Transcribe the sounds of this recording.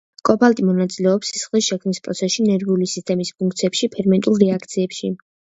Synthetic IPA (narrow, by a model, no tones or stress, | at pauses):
kʼɔpʰalˠt̪ʼimɔnat̪sʼilɛɔpsi̥sχlisʃɛkʰmnispʼɾɔ̰t̪sʰɛsʃinɛɾɡulisist̪ʼɛmispʰuŋk̚ʰt̪sʰiɛpʃipʰɛɾmɛnt̪ʼulˠɾɛakʰt̪sʰiɛpʃi